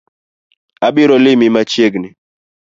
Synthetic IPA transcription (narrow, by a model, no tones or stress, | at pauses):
abɪɾɔlɪmɪmat͡ʃjeɡnɪ